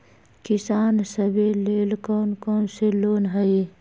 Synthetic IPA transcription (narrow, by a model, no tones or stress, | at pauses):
kɪsaːnsəbeleːlkoːnkoːnseloːnɦəe